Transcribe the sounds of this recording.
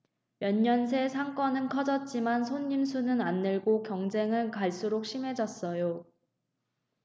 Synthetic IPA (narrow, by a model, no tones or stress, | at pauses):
mjʌɲːʌnsʰe̞sʰaŋk͈ʌnɯnkʰʌd͡ʑʌt̚t͡ɕ͈imansʰoɲːimsʰunɯnanːeɭɡokjʌŋd͡ʑe̞ŋɯɭkaɭs͈uɾok̚ɕ͈ʰimɦe̞d͡ʑʌs͈ʌjo